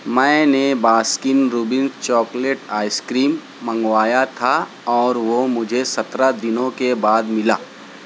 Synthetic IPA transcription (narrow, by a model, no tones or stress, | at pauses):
mɛ̃ːnebaːskɪnɾuːbɪ̃nst͡ʃɔːkleʈaːɪskɾiːmː | ə̃ŋɡʋaːjat̪ʰa | ɔːɾʋomʊd͡ʒʱesɐt̪ɾad̪ɪnõkebaːd̪mɪla̰ː